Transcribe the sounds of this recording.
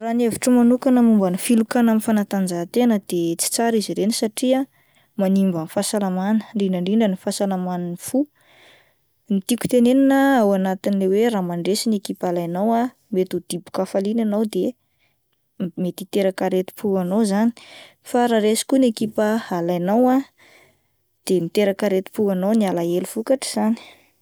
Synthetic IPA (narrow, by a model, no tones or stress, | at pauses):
raneviʈ͡ʂəmanukanəmumbanifilukanamifanat̪and͡zat̪enəd̪̥et͡si̥t͡saɾiziɾenisaʈ͡ʂia | manimvanifasalamanə̥ɳɖ͡ʐiɳəɳɖ͡ʐiɳɖ͡ʐənifasalamaninifu | nit̪ikʲu̥t̪eneninəawanat̪inileweɾamaɳɖ͡ʐesinekipalajnawa | met̪ud̪̥ibu̥kafalinanawd̪e | met̪it̪eɾakaɾet̪i̥pʰuanowzani̥ | faɾaɾesi̥kunekipəalajnawa | d̪̥emit̪eɾakaɾet̪i̥puanownialaelufukaʈ͡ʂə̥z̥ani̥